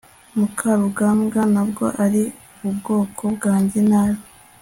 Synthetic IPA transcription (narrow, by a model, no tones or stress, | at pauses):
mukʰaɾuɡamɡanabɡo̞̰ʔaɾiuβubɡo̞ːkʰo̞bɡaːɲɟe̞naβo